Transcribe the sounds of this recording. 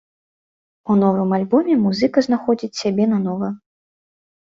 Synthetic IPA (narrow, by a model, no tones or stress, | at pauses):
unɔvɨmalʲbɔmʲɛmuzɨkɐznaxɔd͡zʲit͡sʲsʲabʲɛnɐnɔvɐ